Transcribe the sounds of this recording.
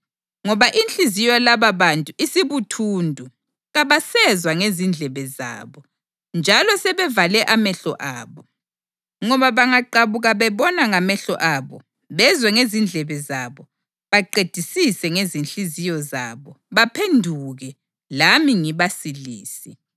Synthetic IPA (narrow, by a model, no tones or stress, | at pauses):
ŋɔβaʔint͡ɬʼizijɔlaβaβantʼuʔisiβutʰuːndʱu | ɣaβasɛzwaŋezind͡ɮʱɛβɛza̰ːβɔ | nd͡ʒʱalɔsɛβɛvalɛʔamɛɬɔ̰ʔaːβɔ | ŋɔβaβaŋaǃaβuɣaβɛβɔnaŋamɛɬɔ̰ʔaβɔ̰ | βɛzwɛŋezind͡ɮʱɛβɛzaβɔ | βaǃed̥ʱisisɛŋezinɬizijɔza̰βɔ | βapʰendʱuɣɛ | lamiŋiβasilḭːsi